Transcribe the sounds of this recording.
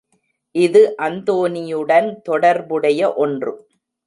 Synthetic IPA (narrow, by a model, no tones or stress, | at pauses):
ʔɪðɯʔɐnd̪oːnɪjɯɽɐnt̪ɔɽɐɾbɯɽɐjɐʔɔndrɯ̰